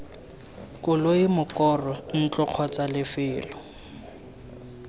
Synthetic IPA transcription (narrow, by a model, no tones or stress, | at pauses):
kʼʊloimʊkɔrɔn̩t͡ɬɔq͡χʰɔt͡salɪfɪːlɔ